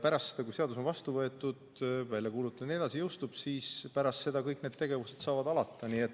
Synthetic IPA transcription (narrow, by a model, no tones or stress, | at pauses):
pæɾɑst̪ːe̥ɑkujse̞ɑd̪us̬o̞nvɑst̪uvɤ̞e̞t̪ːˑud̪̥vælʲjɑkuːlut̪ːˑud̪ne̞d̪ɑsijɤwst̪ub̥siːspæɾɑst̪se̞d̪ɑkɤjkned̪̥t̪e̞ɡ̥e̞vuse̞̥d̪̥sɑːvɑd̪ɑlɑt̪ˑːɑniːet̪ːˑ